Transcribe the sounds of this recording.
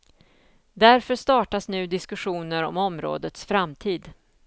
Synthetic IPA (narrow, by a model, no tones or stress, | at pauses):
d̪æɾfœʂt̪ɑːʈasnʉ̟ːd̪ɪskɵɧuːnəɾɔ̰mɔmɾo̰ːd̪ət̪sfɾamt̪ʰiːd̪